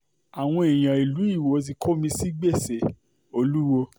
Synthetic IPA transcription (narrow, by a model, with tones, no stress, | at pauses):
a˨w̃ɔ̃˧e˨j̃ã˨i˨lu˨˦i˦˨wo˨˧t̬i˧kʰo˦mĩ˧si˦ɡ͡be˦˨se˨ | o˧lu˦wo˧